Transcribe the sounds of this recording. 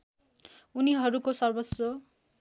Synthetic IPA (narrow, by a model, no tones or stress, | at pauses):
uniɦʌɾukosʌrbʌso